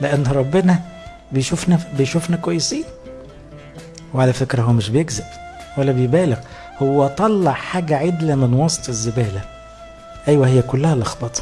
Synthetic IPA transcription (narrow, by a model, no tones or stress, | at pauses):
leʔænːɾˤɑbːɪnæ | bejʃufnæbejʃufnækwæjːesiːn | weʕalæfekɾæhowːæmeʃbejeɡzeb̥ | wælːæbejbæːleɣ | howːæt̪ˤɑlːɑʕħaːɡæʕed̪læmɪnwɑsˤt̪ˤezːebæːlæ | ʔæjwæhejːækʊlːæhælʔɑxbɑt̪ˤ